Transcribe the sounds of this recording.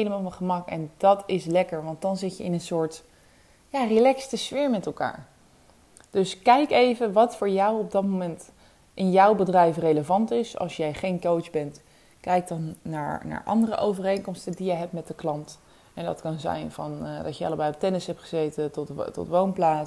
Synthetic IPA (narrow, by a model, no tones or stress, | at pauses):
ɦejləmaːlˠʋɑχəmɑkɛ̰ndɑtɪslɛkəɹʋɑnt̚dɑnzɪtjəɪnənsʊːɹt | jaːrilɛkstəsfɪːɹmɛtɛlˠka̰ːɹ | d̥ɵskɛjkejvəʋɑtfʊːɹjɑwɔb̚dɑtmomɛnt | ʔɪnjɔwbədrɛjfrejləvɑntɪsɑ̰lˠsjɛjχejnkowzbɛnt | kɛjk̚dɑnːa̰ːɹna̰ːɹʔɑ̰ndərə̰ʔowvərejnkɔmstəndijəɦɛp̚tmɛt̚dəklɑnt | ɛndɑ̰tkɑnzɛ̰jnvɑndɑ̰tjəɑ̰ləbɛjɔp̚tɛnəsɦɛp̚tχəzejtətɔ̰tʋownplaː